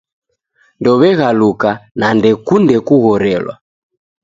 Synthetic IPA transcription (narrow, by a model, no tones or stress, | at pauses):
ndɔβɛɣalukanandɛkundɛkuɣɔɾɛlwa̰